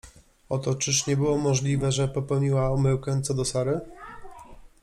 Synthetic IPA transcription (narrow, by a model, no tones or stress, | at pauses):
ɔt̪ɔt͡ʂɘʂɲɛbɘwɔmɔʐlʲivɛʐɛpɔpɛwɲiwaumɘwkɛ̃t̪sɔd̪ɔsaɾɘ